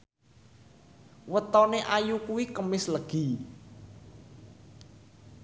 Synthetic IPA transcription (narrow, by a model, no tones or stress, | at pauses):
wət̪ɔneʔajukuwikəmɪsləɡ̥i̤